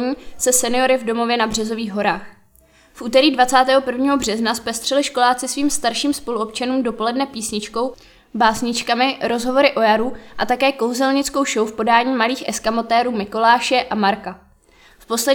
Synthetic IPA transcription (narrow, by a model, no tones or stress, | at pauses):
ɲiːsɛsɛnɪjo̞ɾɪvdo̞mo̞vjɛnabr̝ɛzo̞viːɣɦo̞ɾaːx | fʔuːt̪ɛɾiːdvat͡saːt̪ɛːɦo̞pr̩vɲiːɦo̞br̝ɛznaspɛst̪r̥ɛlɪʃko̞laːt͡sɪsviːmst̪aɾʃiːmspo̞luʔo̞p̚t͡ʃanuːmdo̞po̞lɛdnɛpiːsɲɪt͡ʃko̞w | baːsɲɪt͡ʃkamɪɾo̞zɦovo̞ɾɪʔo̞jaɾuːʔat̪akɛːko̞wzɛlɲɪt͡sko̞wʃowfpo̞daːɲiːmaliːxʔɛskamo̞t̪ɛːɾuːmɪko̞laːʃɛʔamaɾka | fpo̞slɛ